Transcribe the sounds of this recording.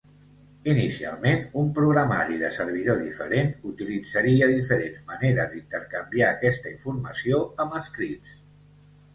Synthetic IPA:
inisia̰lˠmenumpɾuɣɾəma̰ɾiðəsəɾβ̞iðoðifə̰ɾenut̪ilid͡zəɾiəðifəɾenzməneɾə̰d̪int̪əɾkəmbiaːkɛst̪əiɱfuɾməsioəməskɾits

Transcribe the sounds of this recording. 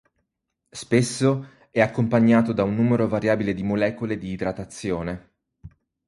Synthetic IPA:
spesːo | ɛakːompaɲːaːt̪od̪aunːuːmeɾovaɾjaːbiled̪imolɛːkoled̪iːd̪ɾat̪at̪sːjoːne

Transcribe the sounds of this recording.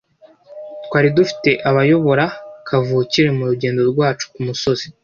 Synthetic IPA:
tkwaːɾidufi̥te̞ʔaβajo̞βo̞ɾakʰavuːciɾe̞muɾuɟe̞ːndo̞ɾɡwaːt͡ʃu̥kumuso̞z̥i

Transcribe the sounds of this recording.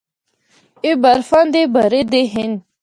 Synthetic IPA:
ebɐɾfand̪ebɐɾed̪eɦin

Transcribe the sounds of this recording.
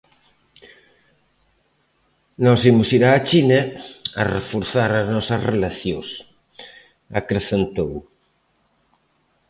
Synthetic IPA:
nɔsimʊsiɾaːt͡ʃinɐɐrḛfoɾθaɾɐznɔsɐzrelaθjõs | a̰kɾeθent̪ow

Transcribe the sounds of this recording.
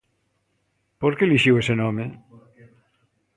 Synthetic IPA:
poɾkeliʃiwesenome

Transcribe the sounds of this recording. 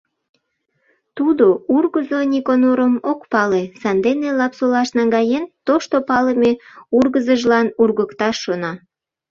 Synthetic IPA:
t̪ud̪ourɣəzonʲikonoɾəmokpɑlesɑnd̪enelɑpsolɑʃnɑŋɡɑjent̪oʃt̪opɑləmeurɣəzəʒlɑnurɣəkt̪ɑʃːonɑ

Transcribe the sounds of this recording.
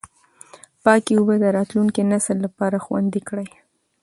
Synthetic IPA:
pɑkewubəd̪əɾɑt̪luŋkinasəlːapɑɾaxwa̰nd̪ikɽəj

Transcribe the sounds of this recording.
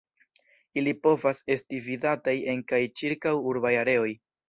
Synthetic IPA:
ilipo̞vase̞stividataje̞ŋkajt͡ʃiɾkawuɾbajaɾe̞o̞j

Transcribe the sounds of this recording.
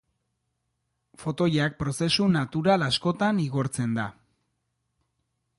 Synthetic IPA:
fo̞t̪o̞jak̚pɾo̞se̞sunat̪uɾalasko̞t̪aniɣo̞ɾt͡se̞nd̪a

